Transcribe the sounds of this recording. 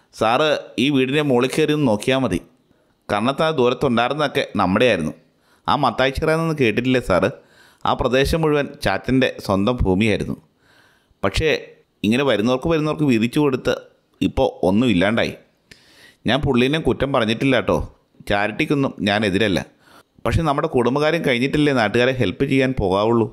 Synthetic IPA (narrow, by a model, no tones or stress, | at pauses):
saːrɨiːʋiːɽinemoːɭikʲːɨʋɐrijunːuno̞ːkːijaːmɐðḭ | kɐɾɐɳɐt̪ːaːnd̪uːɾɐt̪ːuɳɖaːjiɾunːɐðo̞kːe̞nɐmːuɽe̞jaːjɾunːu | a̰ːmɐt̪ːaːjit͡ɕːɐɣɐrɐjnːenːɨke̞ːʈːiʈːilːɐsaːrɨ | a̰ːprɐd̪e̞ːɕɐmːuɻuʋɐnt͡ɕaːt̪ːinde̞̰swɐnd̪ɐmbʱuːmijaːjiɾunːṵ | pɐkʂe̞ | iŋːɐneʋɐɾunːɐʋɐrkɨʋɐɾunːɐʋɐrkɨʋiðit͡ɕːuko̞ɽut̪ːɨ̰ | ipːo̞ːo̞nːumilːaːɳɖa̰ːjḭ | ɲaːnpuɭːinekutːɐmpɐrɐɲːiʈːilːaːʈːo̞̰ː | t͡ɕaːɾiʈːikʲːo̞nːumɲaːne̞ðiɾɐlːɐ̰ | pɐkʂe̞nɐmːuɽe̞kuɽumbɐɣaːɾjɐmkɐɻiɲːiʈːilːɐnaːʈːɨɣaːɾeɦe̞lpːɨt͡ɕe̞jːaːnpo̞ːɣaːʋuɭːu